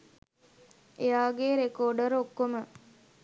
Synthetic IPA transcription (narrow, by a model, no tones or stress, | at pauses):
ejaːɡeɾekoːɖəɾokːomə